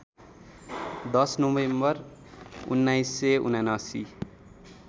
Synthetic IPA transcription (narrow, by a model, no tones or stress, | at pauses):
d̪ʌsnobembʌr | ṵnːajsːeṵnanasi